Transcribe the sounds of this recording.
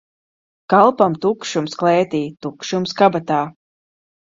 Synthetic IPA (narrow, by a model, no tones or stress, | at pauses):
kalˠpamt̪ukʃumsklɛːt̪iːt̪ukʃumskabat̪aː